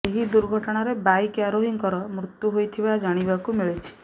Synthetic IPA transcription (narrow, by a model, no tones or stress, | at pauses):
eɦid̪uɾɡʱɔʈɔɽ̃aɾebajkaɾoɦiŋkɔɾɔmɾut̪ːjuɦojt̪ʰibad͡ʒaɽ̃ibakumiɭit͡ʃʰi̥